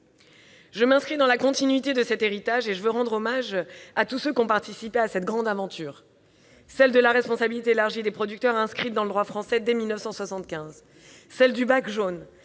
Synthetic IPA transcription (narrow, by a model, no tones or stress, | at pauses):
ʒəmɛ̃skχid̪ɑ̃lakɔ̃t̪inɥit̪ed̪əsɛt̪eʁit̪aʒeʒəvøʁɑ̃d̪ʁɔmaʒat̪usøkʲɔ̃paʁt̪isipeasɛt̪ɡʁɑ̃d̪avɑ̃t̪ʰyːʁ | sɛld̪əlaʁɛspɔ̃sabilit̪eːlaʁʒid̪epχɔd̪yk̚t̪œʁɛ̃skχit̪̚d̪ɑ̃ləd̪ʁwafχɑ̃sɛd̪ɛmilnəfsɑ̃swasɑ̃t̪̚kʲɛ̃z | sɛld̪ybakʒon